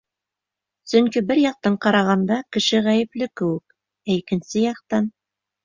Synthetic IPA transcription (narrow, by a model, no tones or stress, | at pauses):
sɵŋkibɘɾjɑq̚t̪ɑɴqɑɾɑʁɑnd̪ɑkɘ̆ʃɘʁæjɘ̆plɘkɘ̆wɘk̚ | æikɘ̆nsɘjɑq̚t̪ɑn